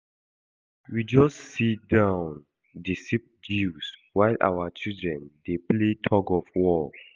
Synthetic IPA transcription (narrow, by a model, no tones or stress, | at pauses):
wid͡ʒɔstsitdãʊ̃n | disip̚d͡ʒuswaɪlʔa̰wat͡ʃildɹɛ̃ndepletʰɔɡɔfwɔl